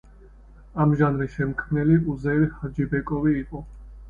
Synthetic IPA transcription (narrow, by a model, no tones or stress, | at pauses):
amʒanɾisʃɛmkʰmnɛliuzɛɾhad͡ʒibɛkʼɔviːqʼɔ